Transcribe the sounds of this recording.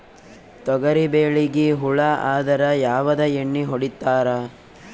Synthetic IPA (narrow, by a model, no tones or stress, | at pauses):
t̪ɔɡɐɾibeːɭiɡiɦuɭɐaːd̪ɐɾɐjaːʋɐd̪ɐeɳːiɦoɽit̪ːaːɾɐ